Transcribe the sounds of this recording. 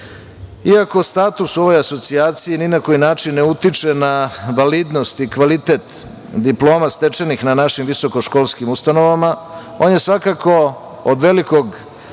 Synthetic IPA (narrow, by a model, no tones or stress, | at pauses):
iako̞st̪aːt̪uso̞ʋo̞jaso̞t̪siaːt̪sijininako̞jinaːt͡ʃinːeut̪it͡ʂe̞naʋalid̪no̞st̪ikʋalit̪e̞t̪ | d̪iplˠo̞ːmast̪e̞t͡ʃenixnanaʃimʋiso̞ko̞ʃko̞ːlˠskimust̪ano̞ʋama | o̞ːnjesʋakako̞ | od̪ʋe̞liko̞ɡ